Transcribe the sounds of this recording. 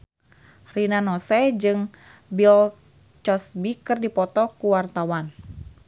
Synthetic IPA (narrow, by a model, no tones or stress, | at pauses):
rinanɔsɛd͡ʒɨŋ | bil | t͡ʃɔsbikɨrdipɔt̪ɔkuwart̪awan